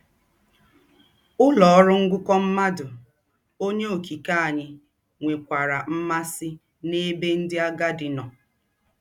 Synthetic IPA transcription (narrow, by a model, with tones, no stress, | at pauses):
ʊ˦lɔ˨ɔ˦ɾʊ˦ŋ̩˦ɡʊ˦kɔ˦m̩˦ma˦dʊ˨ | o˦ɲe˦o˨ki˨ka˦a˨ɲɪ˦ | ŋʷe˨kʷa˨ɾa˨m̩˦ma˦sɪ˦ | ne˦be˦n̩˦dɪ˦a˦ɡa˦dɪ˨nɔ˨